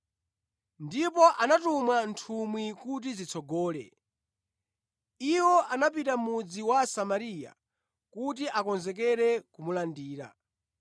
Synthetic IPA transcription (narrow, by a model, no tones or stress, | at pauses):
ndipɔʔanatumantʰumwikut̬izit͡sʰɔɡɔːlɛ̰ | iwɔʔanapitamud͡ziwasamaɾija̰ | kut̬iʔakɔnzɛk̬ɛɾɛkumulandiːɾa̰